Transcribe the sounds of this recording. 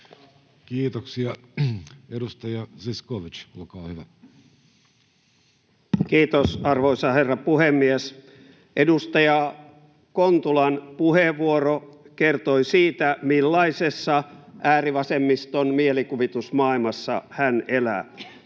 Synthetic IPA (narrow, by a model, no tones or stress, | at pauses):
kiːt̪oksiɑ | edust̪ɑjɑsiskoʋit͡ʃolkɑːhyʋæ | kiːt̪osɑrʋoisɑherːɑpuhemːies | ʔedust̪ɑjɑ | kont̪ulɑnpuheʋːuorokert̪oisiːt̪æmilːɑisesːɑʔæːriʋɑsemːist̪onmielikuʋit̪usmɑilmɑsːɑ̰hænʔelæ̰